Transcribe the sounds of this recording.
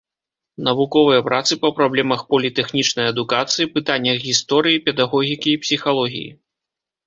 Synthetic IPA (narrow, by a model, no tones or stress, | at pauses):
nɐvukɔvɨjɐpɾʔat̪sɨpɐpɾablʲɛmɐxpɐlʲit̪ɛxnʲit͡ʂnɐjɐd̪ukat̪sɨjipɨt̪anʲːɐɣɣʲist̪ɔɾɨjipʲɛd̪aɣɔɣʲikʲiːpsʲixalˠɔɣʲḭjḭ